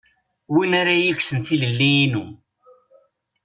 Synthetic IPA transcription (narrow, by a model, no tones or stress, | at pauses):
winaɾajiksənθiləlːijːnu